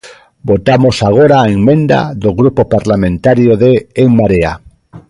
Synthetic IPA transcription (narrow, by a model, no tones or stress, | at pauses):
bot̪amosaɣ̞oɾaːeŋmẽnd̪a̰ðoɣɾupopaɾlamẽnt̪aɾjoðeːŋmaɾea̰